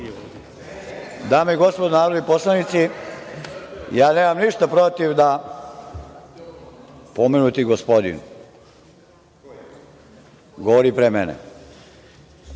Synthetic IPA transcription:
d̪aːmoiɡo̞spod̪onaːɾod̪iposlˠanit̪si | jaːneːmamniʃt̪apɾot̪iʋd̪a | pomenut̪iɡospod̪ḭn | ɡoʋoɾipɾemenḛ

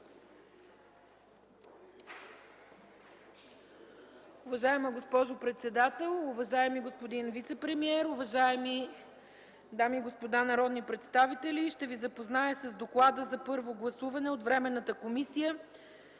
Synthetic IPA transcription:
ʊvɐʒaɛməɡospɔʒopɾɛt̪sɛd̪at̪ɛlˠʊvɐʒaɛmiɡospod̪invit̪sɛpɾɛmiɛɾʊvɐʒaɛmi | d̪amiːɡospod̪anɐɾɔd̪nipɾɛt̪st̪avit̪ɛlʲiʃt̪ɛvizɐpoznaəsəzd̪oklˠad̪əzɐpɤɾvoɡlˠɐsuvɐnɛot̪vɾɛmɛnːət̪əkomisijə

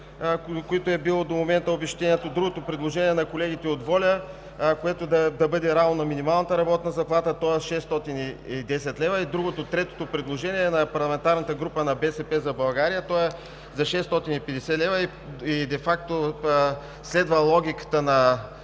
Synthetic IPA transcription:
koɛt̪oɛbilˠɔd̪omomɛnt̪əobɛʃt̪ɛniɛt̪od̪ɾuɡot̪opɾɛd̪lˠoʒɛniɛnɐkolɛɡit̪ɛot̪vɔlʲə | koɛt̪od̪ɐd̪ɐbɤd̪ɛɾavnonɐminimalˠnət̪əɾɐbɔt̪nəzɐplˠat̪ət̪ɔɛʃɛst̪ɔt̪iniid̪ɛsɛt̪lɛvɐid̪ɾuɡot̪ot̪ɾɛt̪o̥t̪opɾɛd̪lˠoʒɛniɛnɐpɐɾlˠɐmɛnt̪aɾnət̪əɡɾupənɐbɛsɛpɛzɐbɐlˠɡaɾijət̪ɔɛ | zɐʃɛst̪ɔt̪inipɛd̪ɛsɛlɛvəi | id̪ɛfak̚t̪o | slɛd̪vəlˠɔɡ̟ʲikə̥t̪ənɐ

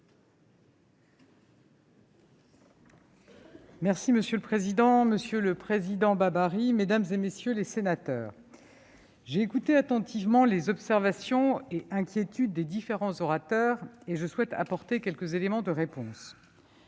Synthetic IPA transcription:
mɛʁsiməsjøləpχezid̪ɑ̃məsjøləpχezid̪ɑ̃babaʁimed̪amzemesjølesenat̪œːʁ | ʒeːkut̪eat̪ɑ̃t̪ʰivmɑ̃lezɔpsɛʁvasjɔ̃eʔɛ̃kʲjet̪yd̪ːed̪ifeʁɑ̃zɔʁat̪œːʁeʒəswɛt̪ʰa̰pɔʁt̪ekʲɛlkəzelemɑ̃d̪əʁepɔ̃s

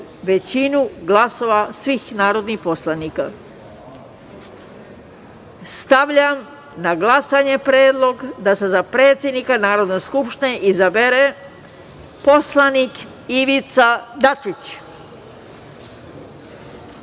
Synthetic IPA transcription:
ʋe̞t͡ɕinuɡlaso̞ʋasʋixnaːɾo̞d̪nixpo̞slˠanika | st̪aʋʎam | naɡlˠasaɲe̞pɾeːd̪lˠo̞ɡd̪ase̞zapɾe̞ːt̪sje̞d̪nikanaːɾo̞d̪neskupʃt̪ineʔizabeɾe | po̞slˠanik | iʋit̪sad̪at͡ʃit͡ɕ

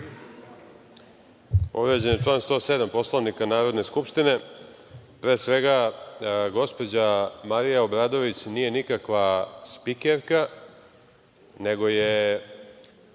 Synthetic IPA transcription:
po̞ʋɾe̞d͡ʑenit͡ʂlaːnst̪o̞se̞d̪ampo̞slˠoʋnikanaːɾo̞d̪ne̞skupʂt̪ine̞ | pɾe̞ːsʋe̞ɡa | ɡo̞spo̞d͡ʑamaɾijaobɾaːd̪o̞ʋit͡ɕniːje̞nikakʋaspikeɾka | ne̞ɡo̞je

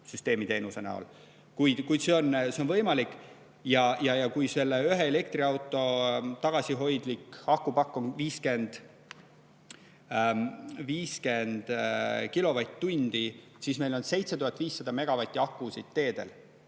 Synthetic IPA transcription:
syst̪e̞ːmit̪eːnuse̞nɑ̰o̰l | kujd̪̥kujd̪se̞o̞nse̞onvɤjmɑlikːˑ | jɑjɑjɑkujse̞lːeyɦe̞ele̞kt̪riɑwt̪ːˑo̞t̪ɑɡ̥ɑsʲiɦo̞jd̪̥likɑkːˑupɑkːˑoŋviːske̞nd̪̥ | viːske̞nd̪̥kilo̞vɑjt̪t̪ːunʲd̪̥i | sismelo̞nse̞jt̪se̞t̪uɦɑt̪ːˑviːsːɑd̪ɑme̞ɡ̥ɑvɑt̪ʲːˑiɑkːˑusit̪ːe̞ːd̪̥e̞̰l

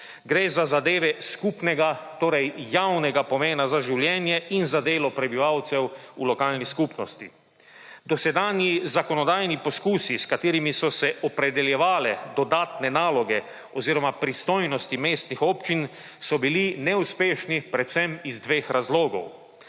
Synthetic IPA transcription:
ɡɾeːzazad̪eːʋɛskuːpnɛɡat̪oːɾɛjːawnɛɡapɔmeːnazaʒiwljɛːnjɛinzad̪eːlɔpɾɛbiʋawt̪sɛwulɔkaːlniskupnɔst̪ḭ | d̪ɔsɛd̪aːnjizakɔnɔd̪aːjnipɔskuːsiskat̪eːɾimisɔsɛʔɔpɾɛd̪ɛljɛʋaːlɛd̪ɔd̪aːt̪nɛnaːlɔɡɛ | ɔziːɾɔmapɾist̪oːjnɔst̪imeːst̪nixɔːpt͡ʃin | sɔbilinɛuspeːʃnipɾɛt̪sɛmizd̪ʋeːxɾazloːɡɔ̰w

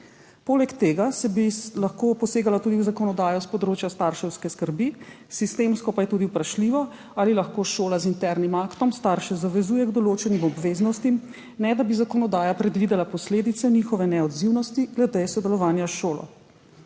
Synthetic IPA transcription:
poːlɛkt̪eːɡasɛbilaxkoːpɔseːɡalat̪uːd̪iwzakɔnɔd̪aːjɔspɔd̪ɾoːt͡ʃjast̪aɾʃɛwskɛskəɾbi | sist̪eːmskɔpajɛt̪uːd̪iupɾaʃliːʋɔ | aːlilaxkoːʃoːlazint̪ɛɾnimakt̪ɔmst̪aɾʃɛzaʋɛzuːjɛɡd̪ɔloːt͡ʃɛnimɔbʋeːznɔst̪im | nɛd̪abizakɔnɔd̪aːjapɾɛd̪ʋid̪ɛlapɔsleːd̪it̪sɛnixɔʋɛnɛɔd̪ziwnɔst̪iɡlɛd̪esɔd̪ɛlɔʋaːnjaʃoːlɔ̰

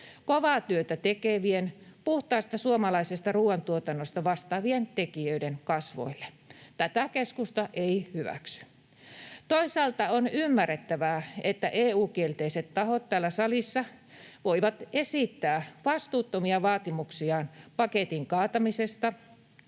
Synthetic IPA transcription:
koʋɑːt̪yøt̪æt̪ekeʋienpuht̪ɑist̪ɑsuomɑlɑisest̪ɑruːɑnt̪uot̪ɑnːost̪ɑʋɑst̪ɑːʋient̪ekiøidenkɑsʋo̰ilːe̥ | t̪æt̪ækeskust̪ɑʔeihyʋæ̰ksy̥ | t̪oisɑːlt̪ɑonymːæret̪ːæʋæːet̪ːæʔeːuːkielt̪eiset̪tɑhot̪t̪æːlːæsɑlisːɑʋoiʋɑt̪esit̪ːæːʋɑst̪uːt̪ːomiɑʋɑːt̪imuksiɑːnpɑket̪iŋkɑːt̪ɑmisest̪ɑ

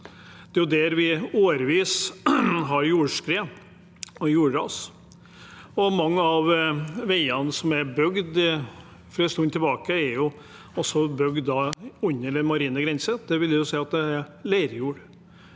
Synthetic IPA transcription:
d̪̥ɛjʊd̪æɾʋɪoːɾʋiːs | ɦɑɾjuːʂkɾeː | ɔjuːɖɑ̰ːs | ɔmɑŋːəɑʋʋæɪɑnsɔmæɾbœɡd̪ | fɔɾɪst̪ʊnt̪ʰɪlbɑːkəæɾjʊ | ɔsɔbœɡd̪ːɑʉɲːəlmɑɾiːnəɡɾɛnsəd̪̥ɛʋɪljæjʊsɛɪɑt̪̚d̪ɛæɾlæɪɾjuːɖ

